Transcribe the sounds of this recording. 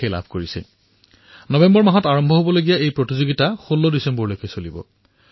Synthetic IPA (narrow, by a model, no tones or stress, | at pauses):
ejla̰bʱkoɹisɛ̰ | nɔbɛmbɔɹmaɦɔtaɹɔmbʱɔɦobɔloɡijaejpɹotizoɡitaxolːɔdisɛmbɔɹlojkejsolibɔ̰